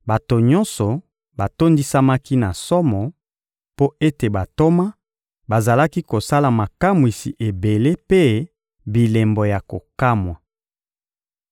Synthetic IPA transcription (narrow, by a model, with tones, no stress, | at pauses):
ba˨to˨ɲɔ̃˦nsɔ˨ | ba˨to˦ndi˦sa˦ma˦ki˦na˨sɔ˦mɔ˨ | po˦e˦te˨ba˨to˦ma˦ | ba˨za˨la˦ki˦ko˨sa˦la˨ma˨ka˦mwi˨sḭ˨ʔe˨be˨le˦pe˦ | bi˨le˨mbɔ˨ja˨ko˨ka˦mwa˨